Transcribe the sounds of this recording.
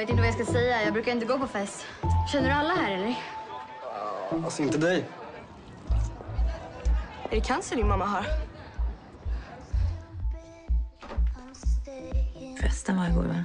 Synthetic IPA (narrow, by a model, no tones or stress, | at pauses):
veːt̪ɪnt̪əvjɑːskasɛjːajɑːɡ̚bɾʉ̟kaɾɪnt̪əɡoːpɔfɛst̪ | ɕɛnːəɖɵalːaɦæɾɛlːəɾ | asɪnt̪əd̪ɛj | æɖɛkʰansɔd̪ɪnmamːaɦaɾ | fɛ̰st̪əvaɾɡɔ̰ːɾva